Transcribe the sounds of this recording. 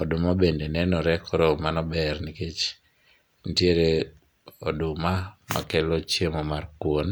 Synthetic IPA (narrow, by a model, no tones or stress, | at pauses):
ɔdʊmabendenɛnɔɾɛkʰoɾomanɔbɛrniket͡ʃ | ntjeɾe | odʊmama̰kɛlot͡ʃemɔmarkwon